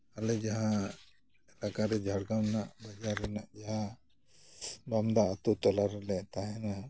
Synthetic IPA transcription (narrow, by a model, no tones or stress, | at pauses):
alɛd͡ʒaɦã | lakaɾɛd͡ʒʱaɽɡawnaʔbad͡ʒaɾːɛnaʔd͡ʒaɦã | bamd̪aat̪ut̪ɔlaɾɛlɛʔt̪aɦɛna